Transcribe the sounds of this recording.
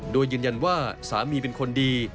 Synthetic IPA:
doː˧jːɯː˧nja˧nwaː˥˩saː˩˦miː˧p̬e˧nkʰo˧ndiː˧

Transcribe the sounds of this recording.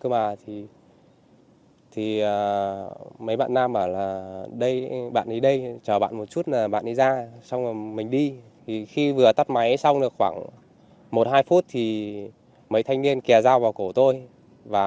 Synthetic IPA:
kɨ˧maː˨˩t̪ʰi˨˩ | t̪ʰi˨˩ə˨˩ | mə˨˦jɓa̰ː˧˨nːaː˧mʔəː˧˩laː˨˩ɗə˧jɓa̰ː˧˨nɗi˨˧˦ɗə˧jt͡ɕəː˨˩ɓa̰ː˧˨nmo˨˩t̚t͡ɕu˦˥t̚laː˨˩ɓa̰ː˧˨nɗi˧zaː˧sa˧wŋ͡mlaː˨˩mï˨˩ŋ̟ɗi˧ | t̪ʰi˨˩xi˧vɨ˨˩ət̪a˦˥t̚ma˨˦jsa˧wŋ͡mɗɨ˨˩əkxwaː˧˩ŋ | mo˨˩t̚haː˧jfu˦˥t̚t̪ʰi˨˩ | mə˨˦jt̪ʰa˧jŋ̟ni˧ənkɛ˨˩zaː˧wvaː˨˩wko˧˩t̪o˧j | vaː˨˩

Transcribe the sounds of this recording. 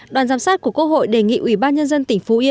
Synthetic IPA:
ɗwaː˨˩nzaː˨˧˩msaː˦˥t̚ku˧˩əkə˧ho̰˧˨jɗe˨˩ŋḭ˧˨ʔwi˧˩ɓaː˧nɲə˧nzə˧nt̪ï˨˩ŋ̟fu˨˦ʔi˧

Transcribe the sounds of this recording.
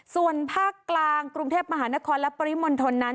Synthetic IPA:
su˨˩ənpʰaː˥˩kːlaː˧ŋkɾu˧ŋt̪ʰeː˥˩p̚ma˧ɦaː˩˦na˦˥kʰɔː˧nlɛ˦˥pa˧ɾi˦˥mo˧nt̪ʰo˧nːa˦˥

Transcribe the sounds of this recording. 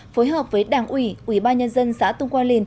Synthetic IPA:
fo˨˦jɦəː˨˩p̚vəː˨˦jɗaː˧˩ŋʔwi˧˩ʔwi˧˩ɓaː˧nɲə˧nzə˧nsa̰ː˧˥t̪ʊ˧ŋ͡mkwaː˧nli˨˩n

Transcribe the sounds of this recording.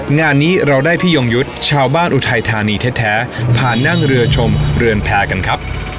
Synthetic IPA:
ŋaː˧nːiː˦˥ɾa˧wdaː˥˩jpʰiː˥˩jo˧ŋju˦˥t̪̚t͡ɕʰaː˧wbaː˥˩nʔu˧t̪ʰa˧jt̪ʰaː˧niː˧t̪ʰe˦˥t̪ʰːɛː˦˥pʰaː˨˩nːa˥˩ŋɾɯ˧ɐt͡ɕʰo˧mɾɯ˧ənpʰɛː˦˥ka˧nkʰɾa˦˥p̚

